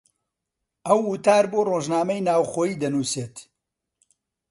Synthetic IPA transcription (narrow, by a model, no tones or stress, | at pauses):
ɐwːut̪aːɾboːroːʒnaːmɐjnaːwxoːjiːd̪ɐnuːseːt̪